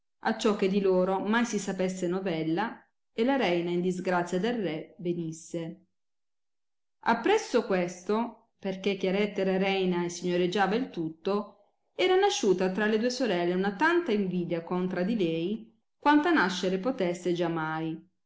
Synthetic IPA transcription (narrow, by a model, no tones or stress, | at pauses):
a̰t͡ʃːɔk̟ːed̪iloːɾomajsisapesːenovɛlːa | elaɾɛjnaind̪izɡɾat̪sːjad̪elrɛvenisːe | a̰pːɾɛsːokwest̪o | perkekːjaɾɛt̪ːeɾaɾɛjnaesːiɲːoɾed͡ʒːaːvailt̪ut̪ːo | ɛːɾanaʃːuːt̪at̪ɾaled̪uːesoɾɛlːeunat̪ant̪aiɱviːd̪jakont̪ɾad̪ilɛːj | kwant̪anaʃːeɾepot̪ɛsːed͡ʒamːaj